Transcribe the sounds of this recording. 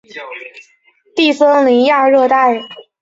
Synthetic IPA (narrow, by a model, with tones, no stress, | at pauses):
t̪i˥˩sə˥ŋli˧˥ŋja˥˧ɻɤ˥˧t̪a˥˩ɪ